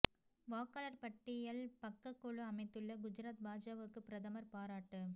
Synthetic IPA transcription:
ʋoːkɐlɐɾpɐʈːɪjɐlpɐkːɐkːɔɭɯɐmɐɪt̪ːɯɭːɐɡʊd͡ʒɪɾaːt̪̚baːd͡ʒaːʋɯkːɯpɪɾɐðɐmɐɾpaːɾaːʈːɯ

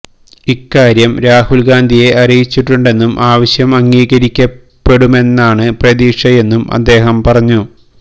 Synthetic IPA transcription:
ikːaːɾjɐmɾaːhulɡaːnd̪ʱije̞ʔɐrijit͡ɕːiʈːuɳɖe̞nːumʔaːʋɐɕjɐmɐŋːiːɣɐɾikʲːɐpːe̞ɽume̞nːaːɳɨprɐðiːʂɐje̞nːumʔɐ̰d̪ːe̞ːɦɐmpɐrɐɲːu

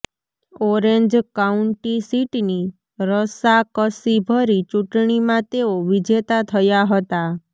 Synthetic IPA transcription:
ɔɾeɲd͡ʒkauɳʈisiʈni | ɾəsakəsibʱəɾit͡ʃuʈɳimãt̪eoʋid͡ʒet̪at̪ʰəjaɦət̪a

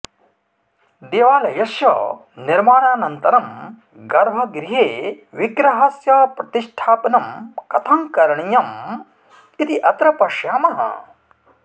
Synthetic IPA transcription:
d̪eːʋaːlɐjɐsjɐ̰ | niɾmaːɳaːnɐnt̪ɐɾɐm | ɡɐɾbʱɐɡɾiɦeː | ʋiɡɾɐɦɐsjɐpɾɐt̪iʂʈʰaːpɐnɐmkɐt̪ʰɐŋkɐɾɐɳijɐm | it̪iʔɐt̪ɾɐpɐʃjaːmɐɦɐ̰

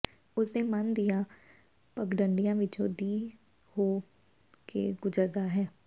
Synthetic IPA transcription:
ʊsnemɐnd̪ija | pəkɖəɳɖijãʋɪt͡ʃo̰d̪iː | hoː | kḛɡʊd͡ʒəɾd̪aɦɛː

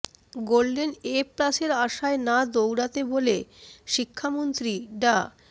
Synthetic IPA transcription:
ɡolɖeneplaseɾaʃaenad̪owɽat̪eboleʃikʰːamont̪ɾiɖa

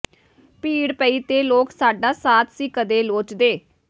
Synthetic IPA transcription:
piːɽpəiːt̪eːloːksaːɖaːsaːt̪ʰsiːkəd̪eːloːt͡ʃd̪eː

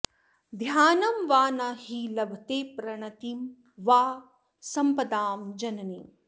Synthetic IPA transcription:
d̪ʱjaːnɐmʋaːnahiːlɐbʱɐt̪eːpɾɐɳɐt̪im | ʋaː | sɐmpɐd̪aːmd͡ʒɐnɐniː

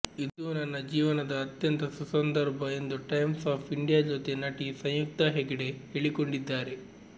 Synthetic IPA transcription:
id̪unɐnːɐd͡ʒiːʋɐnɐd̪ɐːt̪jɐnt̪ɐsusɐnd̪ɐɾbʱɐe̞nd̪uʈɐjmsaːpʰiɳɖijaːd͡ʒot̪e̞nɐʈisɐ̃j̃juk̚t̪ɐɦeɡiɽe̞heɭiko̞ɳɖid̪ːaːɾe̞

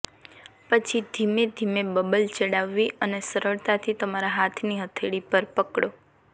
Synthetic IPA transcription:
pət͡ʃʰid̪ʱimed̪ʱimebəbəlt͡ʃəɽaʋːiʔənesəɾəɭt̪at̪ʰit̪əmaɾaɦat̪ʰniɦət̪ʰeɽipəɾpəkɽo

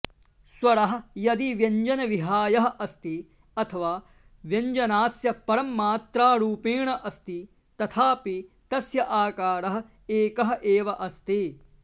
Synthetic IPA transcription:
swɐɾɐɦɐ̆jɐd̪iʋjɐɲd͡ʒɐnɐʋiɦaːjɐɦɐ̆ʔɐst̪i | ɐt̪ʰɐʋaː | ʋjɐɲd͡ʒɐnaːsjɐpɐɾɐmːaːt̪ɾaːɾuːpiːɳɐʔɐst̪i | t̪ɐt̪ʰaːpi | t̪ɐsjɐʔaːkaːɾɐɦɐ̆ | eːkɐɦɐ̆ʔeːʋɐʔɐst̪i

